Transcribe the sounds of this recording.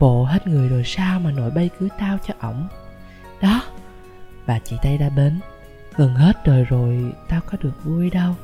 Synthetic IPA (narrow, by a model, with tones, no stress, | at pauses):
ɓo̰˧˨ɦe˦˥t̚ŋɨ˨˩əjzo˨˩jsaː˧wmaː˨˩no̰˧˩jɓə˧jkɨ˨˦t̪aː˧wt͡ɕɔ˧ʔə̰˧˩wŋ͡m | ɗɔ˨˦ | vaː˨˩t͡ɕḭ˧˨t̪aː˧jɗa̰ː˧˥ɓe˨˦n | ɣə˨˩nɦe˦˥t̚ɗəː˨˩jzo˨˩jt̪aː˧wkɔ˨˦ɗɨ˨˩ək̚vu˧əjɗə˧w